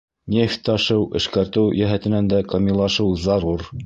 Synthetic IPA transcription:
nʲefʲt̪ːɑʃɤwʔɘ̆ʃkæɾt̪ɘwjæɦæt̪ɘ̆nænd̪ækɐmʲilˠɑʃɤwzɑɾuɾ

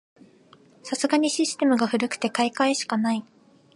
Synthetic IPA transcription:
sasɨɡaɲ̟iɕisɨ̥t̪e̞mɯ̟ɡaɸɯ̟ɾɯ̟kɯ̟̥t̪e̞kaikaeɕi̥kanai

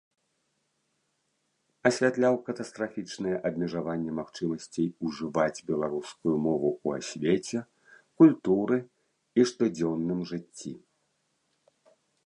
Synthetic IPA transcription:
ɐsʲvʲat̪lʲawkɐt̪ɐst̪ɾafʲit͡ʂnɨjɛʔɐbʲmʲɛʐavanʲːɛmaxt͡ʂɨmɐsʲt͡sʲejuʐɨvad͡zʲbʲɛlˠaɾuskujumɔvuua̰sʲvʲet͡sʲɛ | kulʲt̪uɾɨ | iʂt̪ɔd͡zʲɛwnːɨmʐɨt͡sʲːi

